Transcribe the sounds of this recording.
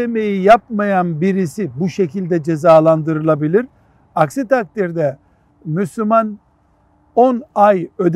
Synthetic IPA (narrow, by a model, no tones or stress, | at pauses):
emejijapmajanbiɾisibuʃe̞cʰilʲd̪ɛd͡ʒe̞zaːlˠand̪ɯɾɯlˠabilʲiɾ | aksit̪ʰak̚t̪iɾd̪ɛ | myslʲyman | onajø̞d̪